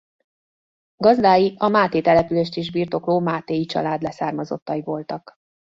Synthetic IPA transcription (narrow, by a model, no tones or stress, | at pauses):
ɡɒzd̪aːjiʔɒmaːt̪eːt̪ɛlɛpyleːʃt̪eːʒbiːrt̪o̞kloːmaːt̪eːjit͡ʃɒ̰laːd̪lɛsaːrmɒzo̞̰t̪ːɒjivo̞lt̪ɒk